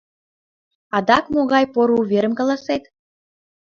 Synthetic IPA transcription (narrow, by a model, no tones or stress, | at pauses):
ɑd̪ɑkmoɣɑjpoɾuβʲeɾəmkɑlɑset̪